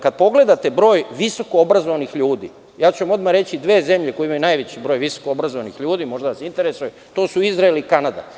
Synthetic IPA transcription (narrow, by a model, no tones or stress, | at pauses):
kad̪̚po̞ɡle̞d̪at̪e̞bɾo̞ːjʋiso̞koobɾazoʋanixʎuːd̪ḭː | jaːt͡ɕuʋamo̞d̪maɾe̞t͡ɕid̪ʋe̞ːze̞mʎe̞kojimajunajʋet͡ɕibɾo̞ːjʋiso̥koobɾazoʋanixʎuːd̪iːmo̞ʒd̪aʋasint̪e̞ɾesuju | t̪o̞ːsuizɾaelikanad̪a̰